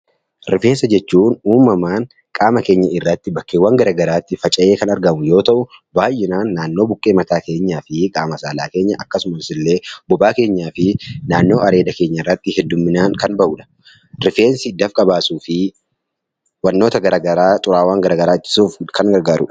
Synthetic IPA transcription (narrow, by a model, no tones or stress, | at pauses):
ɾɪfe̞ːsɐd͡ʒɛt͡ʃːuːnuːmːɐmaːŋ | kʼaːmɐke̞ːɲːɐɪrːɐt̪ːɪbɐkːeːwːɐŋɡɐɾɐːɡɐɾaːt̪ːɪfɐt͡ʃʼɐʔe̞ːkɐnɐɾɡɐmʊjo̞ːt̪ɐʔʊbaːjɪnaːnːaːnːo̞ːbʊkʼːeːmɐt̪aːke̞ːɲːaːfɪkʼaːmɐsaːlaːke̞ːɲːɐʔɐkːɐsʊmɐsɪlːe̞ːbɔbaːke̞ːɲːaːfɪnaːnːo̞ːʔɐɾe̞ːd̪ɐke̞ːɲːɐɪrːɐt̪ːɪhɛd̪ːʊmːɪnaːŋkɐnbɐʔuːᶑɐ̥ | ɾɪfe̞ːnsɪd̪ɐfkʼɐbaːsuːfɪ | wɐnːo̞ːt̪ɐɡɐɾɐɡɐɾaːt̪ʼʊɾaːwaːŋɡɐɾɐːɡɐɾaːɪt͡ʃːɪ̥suːfkɐŋɡɐɾɡaːɾʊ̰ᶑɐ̥